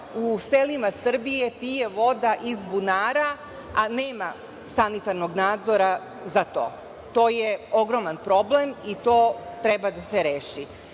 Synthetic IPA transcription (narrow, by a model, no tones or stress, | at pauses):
uselimasr̩bije̞pije̞ʋo̞d̪aʔizbunaːɾa | aneːma | sanit̪aɾno̞ɡnaːd̪zo̞ɾa | zat̪o̞̰ː | t̪o̞ːjeo̞ɡɾo̞manpɾo̞ble̞mit̪o̞ːt̪ɾe̞bad̪aseɾeːʃi